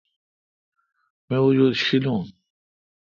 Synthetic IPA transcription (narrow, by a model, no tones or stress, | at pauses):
mẽʊd͡ʑuːd̪ɕilũː